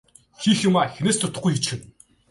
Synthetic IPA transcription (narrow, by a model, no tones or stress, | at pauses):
xixjʊmaːxeneːst̪ʰʊt̪ə̆χɡujxit͡ɕxɘ̆n